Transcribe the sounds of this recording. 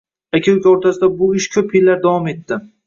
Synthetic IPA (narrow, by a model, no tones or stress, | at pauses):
akʲʰawkʲoɾt̪ʰasɪd̪abʊɪʃkʲʰɵpɪlːaɾd̪avɒme̞t̪ːɪ